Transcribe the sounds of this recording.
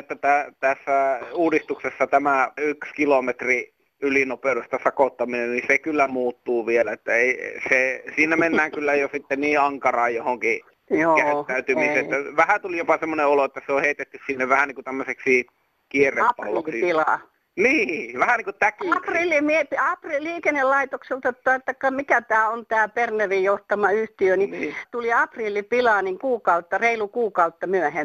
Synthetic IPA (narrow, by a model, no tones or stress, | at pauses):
et̪ːæt̪æt̪æsːæuːdist̪uksesːɑt̪æmæykskilomet̪ri | ylinopeudest̪ɑsɑkot̪ːɑminennisekylːæmuːt̪ːuːʋielæet̪ːæeˑisesiːnæmenːæːŋkylːæjosit̪ːenniːɑŋkɑrɑːjjohoŋki | okæyt̪ːæyt̪ymiseːæʋæhæt̪ulijopɑsemːoneoloet̪ːæseoheit̪et̪ːyssinːeʋʋæhæniːŋkut̪æmːøseksi | kierˑeɑpɑrliokisipilɑ̰ːˑ | niːʋæhæniːŋkutt̪ækːprilːimiepiɑpriliːkenːellɑit̪okselt̪ɑt̪ːɑit̪ːɑkːɑmikæt̪æːont̪æːpernerijjoht̪ɑmɑyht̪iønit̪uliɑprilːˑipilɑːniŋkuːkɑut̪ːɑreilukuːkɑut̪ːɑmyæhe